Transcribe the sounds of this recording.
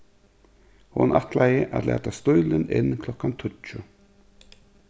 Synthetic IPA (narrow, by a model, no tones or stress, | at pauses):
hʊnʔaht̪lajɪʔa̰ðlʔɛ̰ːt̪ast̪ʊjlɪnɪ̰nːkʰlɔkːant̪ʰʊlt͡ʃʊ